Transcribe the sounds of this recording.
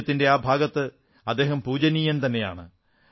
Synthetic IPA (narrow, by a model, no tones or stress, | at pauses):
ɐt̪ːinde̞aːbʱaːɡɐt̪ːɨ | ɐd̪ːe̞ːɦɐmpuːd͡ʑɐnijɐnt̪ɐnːe̞ja̰ːɳɨ